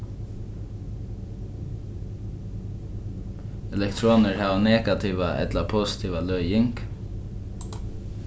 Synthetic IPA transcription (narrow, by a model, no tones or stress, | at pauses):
ɛlɛkt̪ʰɾoːnəɹhɑːʋanɛːɡat̪ʰiːʋaʔɛ̰t̪lapʰoːsɪ̥t̪ʰiːʋalœʏjɪŋk